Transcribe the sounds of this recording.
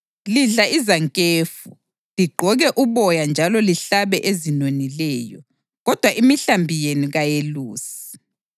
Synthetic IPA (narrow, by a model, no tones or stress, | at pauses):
liɮaʔizaŋkʼeːfu | liɡ͡ǃʱɔɣɛʔuβɔjand͡ʒʱalɔliɬaβɛʔezinonilɛjɔ | ɣɔd̥ʱwaʔimiɬambʱijenuɣajeluːsi̥